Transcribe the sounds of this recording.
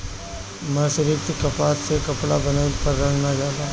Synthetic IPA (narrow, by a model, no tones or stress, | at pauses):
mɐːsɾɪkt̪ikɐpaːt̪sekɐpɽabɐnapɐɾːɐ̃ɡnad͡ʒaːd̪aː